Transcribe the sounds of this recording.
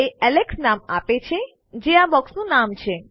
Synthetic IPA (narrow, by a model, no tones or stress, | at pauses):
eɛleksnamapet͡ʃʰe | d͡ʒeabɔksnũnamt͡ʃʰe